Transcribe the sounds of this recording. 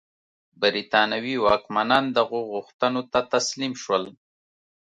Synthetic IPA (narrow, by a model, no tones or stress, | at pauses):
bəɾit̪ɑnawiwɑkmanɑnd̪aɣoɣʊxt̪ənot̪at̪aslimʃwəl